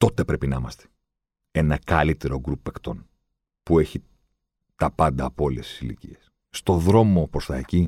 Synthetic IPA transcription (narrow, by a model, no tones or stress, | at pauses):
t̪o̞t̪e̞pɾe̞pinɐimɐst̪e̥ | e̞nɐkɐlit̪e̞ɾo̞ɡɾupekt̪o̞̰n | pue̞çi | t̪ɐpɐnd̪ɐːpoo̞lest̪i̥silḭcḭes | st̪o̞ðɾo̞mo̞pɾost̪ɐeci